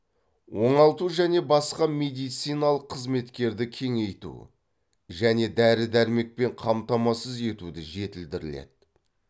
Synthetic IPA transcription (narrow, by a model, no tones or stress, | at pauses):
wo̞ɴɑlˠt̪uʒæne̞bɑsqɑme̞d̪ijt̪sijnɑlˠəqʰːəzme̞t̪kʲe̞ɾd̪ɪkʲʰe̞ŋe̞jt̪ṵ | ʒæne̞d̪æɾɪd̪æɾme̞k̚pe̞ɴqʰɑmt̪ɑmɑsəze̞t̪ud̪ɪʒe̞t̪ɪld̪ɪɾɪlḛd̪̥̚